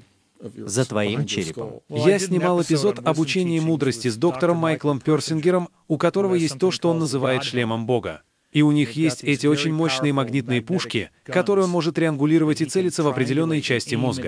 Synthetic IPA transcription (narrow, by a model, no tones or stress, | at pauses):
zət̪vɐimt͡ɕḛɾʲɪpə̰mjasʲnʲɪmɑlˠɪpʲɪzo̞t̪ɐbʊt͡ɕenʲɪjəmud̪ɾəsʲtʲɪzd̪o̞kt̪əɾəmːajklˠəmpʲorsʲɪnɡʲɪɾəm | ʊkɐt̪o̞ɾəvəjesʲt̚ʲt̪o̞ʂt̪oo̞nːəzɨvajɪt̪ʂlʲeməmbo̞ɡə̰ | iʊnʲixjesʲtʲɛtʲɪo̞t͡ɕɪnʲmo̞ɕnɨjəmɐɡnʲit̪̚nɨjəpuʂkʲɪkɐt̪o̞ɾɨjo̞nmo̞ʐɨt̪ɾʲɪɐnɡʊlʲiɾəvətʲɪt̪sɛlʲɪt̪səvɐpɾʲɪdʲɪlʲo̞nːəjt͡ɕæsʲtʲɪmo̞zɡə